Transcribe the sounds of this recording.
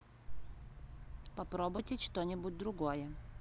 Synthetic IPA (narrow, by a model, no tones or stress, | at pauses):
pɐpɾobʊjtʲɪt͡ʃt̪onʲɪbʊt̚ʲd̪ɾʊɡojə